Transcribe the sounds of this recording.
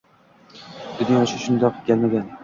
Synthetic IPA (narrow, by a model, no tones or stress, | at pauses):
d̪ɪd̪ɪŋoʃaʃʊnd̪ɒqɪɡʲalmaɡʲan